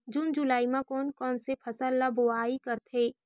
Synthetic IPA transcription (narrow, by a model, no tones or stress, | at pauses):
d͡ʒund͡ʒulaːimãkɔːnkɔːnsepʰɐsəlːaboaːikɐɾt̪ʰeː